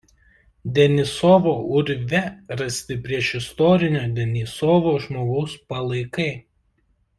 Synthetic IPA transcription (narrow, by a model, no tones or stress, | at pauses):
d̪ʲɛnʲɪsɔʋoːʊɾʲʋʲɛɾɐsʲt̪ʲɪpʲɾʲiɛʃɪst̪ɔɾʲɪnʲoːd̪ʲɛnʲɪsɔʋoːʒmoːɡɐʊspɐlˠɐɪkɐɪ